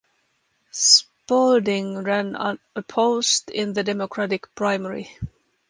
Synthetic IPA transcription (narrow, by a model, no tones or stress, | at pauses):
s | poldɪ̃ŋɹæ̃nə̰ | əpʰoʊstɪ̃nðɨdɛmɔkʰɹ̥æɾɪkpʰɹ̥aɪmɛɹḭ